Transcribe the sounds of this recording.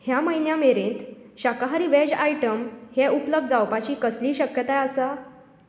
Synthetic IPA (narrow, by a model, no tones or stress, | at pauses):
hjaməjnjameɾẽːnt̪ɕakaɦaɾiːʋɛd͡ʑaiʈəmhɛʔupləb̚d̪d͡zawpat͡ɕiːkəsliːɕəkjət̪ajəsa